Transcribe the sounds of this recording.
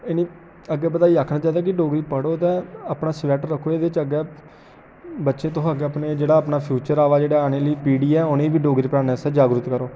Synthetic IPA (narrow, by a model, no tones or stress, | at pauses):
ɪnĩː | əɡːɛːbət̪aːiːaːkʰnaːt͡ʃaːd̪aɛːk̬ɪɖoːɡɾiːpəɽoːt̪ɛ̃ːəpnaːsʋɛːʈːəkʰːoːeːd̪et͡ʃəɡɛː | bətːʃẽːt̪oɦaːɡeːəpneːd͡ʒeːɽaːəpnaːpʰjuːt͡ʃəɾaːʋaːd͡ʒeːɽaːaːneːləiːpiːɽiːɛːʊnẽːbiːɖoːɡɾiːpəɽaːnɛːsɛd͡ʒaːɡɾʊt̪kəɾoː